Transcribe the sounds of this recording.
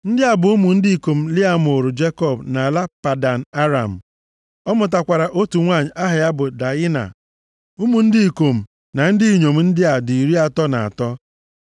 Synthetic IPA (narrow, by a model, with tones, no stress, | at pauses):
n̩˦dɪ˦a˨bʊ˨u˦mu˨n̩˦dɪ˦i˨ko˨m̩˨lɪ˦a˦m˨o˨ɾʊ˨d͡ʒe˦kɔ˦˨bna˨la˦pa˨da˨n̩˨a˦ɾa̰˨m̩˨ | ɔ˦mʊ˨t̬a˨kʷa˨ɾa˨ʔo˦tu˨ŋʷa˦˨ɲɪ˨ʔa˦ɦɪ˨ja˦bʊ˨da˨ɪ˦na̰˨ | u˦mu˨n̩˦dɪ˦i˨ko˨m̩˨ | na˨n̩˦dɪ˦i˨ɲo˨m̩˨n̩˦dɪ˦a˨di˨i˨ɾi˦a˨tɔ˦na̰˨a̰˨tɔ˦